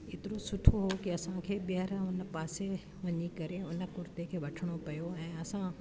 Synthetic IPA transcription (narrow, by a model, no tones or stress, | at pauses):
ɪt̪ɪɾosʊʈʰoɦokiɐsãkʰeːbɪəɾʊnpaːse | ʋɐɲikɐɾeʊnə̆kʊɾt̪ekʰeːʋɐʈʰəɽ̃opɐjoɛ̃ːɐsã